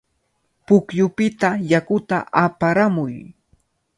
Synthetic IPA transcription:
pʊkjʊpɪt̪ajakʊt̪a̰ʔapaɾamʊj

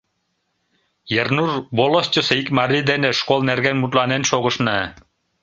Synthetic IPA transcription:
jernurbolˠost͡ɕʲoseikmɑɾʲid̪enĕʃkolˠnærɡenmut̪lˠɑnenʃoɣɤ̆ʃnɤ

